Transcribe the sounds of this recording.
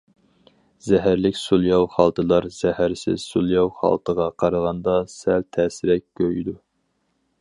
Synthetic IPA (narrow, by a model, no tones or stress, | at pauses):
z̥ɛɦæɾlɪkʲsulˠjɑwχɑlˠt̪ʰɨlˠɑɾz̥ɛhæɾsɪ̰zsulˠjɑwχɑ̰lˠt̪ʰəʁɑqʰɑɾʁɑnd̪ɑsælt̪ʰɛːsɪɾɛkʲkʰʲːøjid̪u